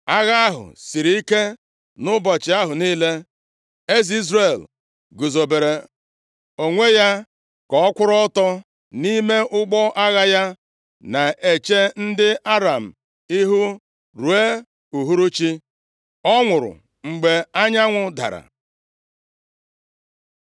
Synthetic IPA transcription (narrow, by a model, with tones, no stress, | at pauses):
a˦ɣa˦a˦ɦʊ̰˨si˨ɾi˦i˦ke˦ | nʊ˦bɔ˨t͡ʃɪ˨˦a˦ɦʊ˨niː˦le˦ | e˦zi˦zɾe˨l | ɡu˨zo˨be˨ɾe˨ | o˨ŋʷe˦ja˦ | kɔ˨ɔ˦kʷʊ˦ɾɔ˦tɔ˦ | ni˦me˦ʔʊ˦ɡ͡bɔ˦ʔa˦ɣa˦ja˦ | na˨e˨t͡ʃe˦n̩˦dɪ˦ʔa˦ɾa˨m̩˨ | i˦ɦu˦ | ɾu˨e˦ | u˨ɦu˦ɾu˦t͡ʃi˦ | ɔ˦ŋʷʊ˨ɾʊ̰˨ | ŋ͡m̩˨ɡ͡be˨a˦ɲa˦ŋʷʊ˦da̰˨ɾa̰˨